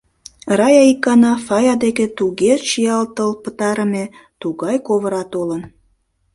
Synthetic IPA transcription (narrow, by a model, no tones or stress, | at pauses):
rɑjɑikːɑnɑfɑjɑd̪eket̪uɣeʃijɑlt̪əlpət̪ɑɾə̆me | t̪uɣɑjkoβəɾɑt̪olən